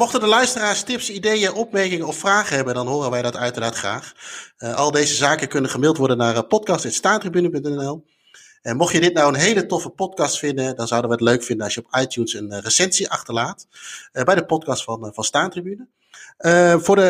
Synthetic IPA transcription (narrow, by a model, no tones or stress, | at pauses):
mɔχtəndəlœɥstəraːɹstɪpsidejənʔɔp̚mɛɹkɪŋənɔffraːχəɦɛbədɑnɦʊːrənʋɛjdɑtœɥtəɹnaːtχraːχʔɑlˠdejzəzaːkəkɵnənχəmɪlˠtʋɔɹdənːaːrpɔtkɑstɛtstaːntribynəpɵntɛnɛnɛlˠ | ɛnmɔχjədɪtnɑwənɦejlətɔfəpɔtkɑstfɪndədɑnzʌwdənʋəətløɥkfɪndənɑsʃjəɔpɑjtjunsənrəsɛnsiʔɑχtəɹlaːtbɛjdəpɔtkɑstfɑnvɑnstaːntribynə | əvʊːdə